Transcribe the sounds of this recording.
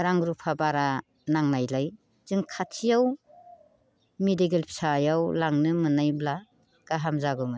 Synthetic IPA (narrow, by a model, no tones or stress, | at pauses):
ɾaŋɾupʰabaɾa | naŋnajlaj | z̥ɯŋkʰatʰijaw | mediɡelpʰi̥sajawlaŋnɯmɯnajbla | ɡ̥aɦamzaɡɯmɯ